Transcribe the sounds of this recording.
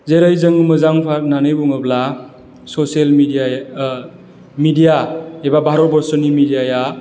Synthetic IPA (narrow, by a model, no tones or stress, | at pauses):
zeɾɯjzɯŋmɯzaŋpʰaɾnanɯjbuŋɯbla | sɔselmida | midijaebabʱaɾɔbɔɾsɔnimidijaja